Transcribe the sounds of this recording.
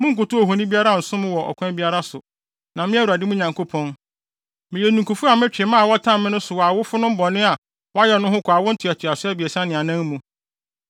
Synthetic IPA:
mʊ̃˦ŋ̩˦kʊ˨tʊ˦ɔ˨ɦõ˨nĩ˦bi˦a˦ɾa˦˨n̩˨sʊ̃˦mʊ̃˦wɔ˨ʔɔ̰˨kʷʰã˦bi˦a˦ɾa˦sʊ˨ | nã˨mɪ̃˦æ˦wu˨a˨dɪ˦mʊ̃˦ɲã˨ŋkʰo˦pʰɔ̃˦n | mɪ̃˨jɛ˨nũ˨ku˨fu˦a˨mɪ̃˦t͡ɕᶣɪ˨mãː˦˨wɔ˦tʰã˦mmɪ̃˦nʊ̃˦sʊ˨wɔ˨a˨wʊ˦fʊ˦nʊ̃˦m̩˦bɔ˨nɪ̃˦a˨ | wɔ˦a˦jɛ˨nʊ̃˦ɦʊ̃˦kʰʷɔ˨a˨wʊ˦n̩˦tʰʊ˨ɛ˨tʰɪ˨a˨sʊ˦ɛ˦bi˨ɛ˨sã˦nɪ̃˨ã˨nã˦ŋ˦mũ˨

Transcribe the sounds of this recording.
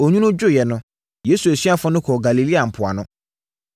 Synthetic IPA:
o˨ɲᶣũ˦nʊ̃˦d͡ʑʊ˦jɛ˨nʊ̃˨˦ | je˦su˨æ˨ɕi˦a˦fʊ̃˦nʊ̃˦kʰɔ˨ɡa˨li˨li˦a˨m̩˨pʰʊ˨a̰˨nʊ̃˦

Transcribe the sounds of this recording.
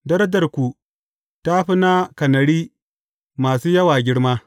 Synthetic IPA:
dɐ˦ɾɐ˦dɐ˨rkʷu˨ | ta˦ɸɪ˦na˦kɐ˨nɐ˨ɽiː˦ | maː˨suː˦jɐ˦waː˨ɡʲɪ˦ɽmaː˦

